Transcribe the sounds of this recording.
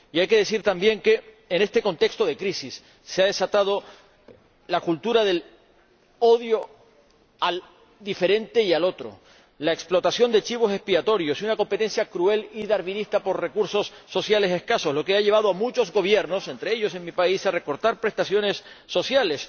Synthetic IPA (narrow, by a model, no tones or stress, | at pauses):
iajke̞ðe̞siɾt̪ambje̞ŋke̞ː | nest̪e̞ko̞nt̪e̞kst̪o̞ðe̞kɾisisː | eaðe̞sat̪að̞o̞ | lakult̪uɾaðe̞l | o̞ðjo̞ | al | d̪ife̞ɾẽ̞nt̪e̞ialo̞t̪ɾo̰ | laeksplo̞t̪asjo̞nd̪et͡ʃiβ̞o̞se̞spiat̪o̞ɾjo̞siunako̞mpe̞t̪e̞nsjakɾue̞liðaɾβinist̪apo̞ɾrekuɾso̞sːo̞sjale̞se̞hkaso̞slo̞ke̞aʎe̞β̞aðo̞amut͡ʃo̞zɡo̞β̞je̞ɾno̞se̞nt̪ɾe̞eʎo̞s̬e̞ŋmipaisare̞ko̞ɾt̪aɾpɾe̞st̪asjo̞ne̞sːo̞sjale̞s